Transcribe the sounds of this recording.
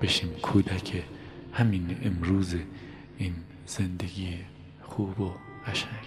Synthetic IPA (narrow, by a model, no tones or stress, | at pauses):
b̥e̞ʃiːmkʰuːd̪æcʰe | hæminemɾuːze | iːn | z̥end̪eɡiːe | xuːbo | ʁæʃæŋɡ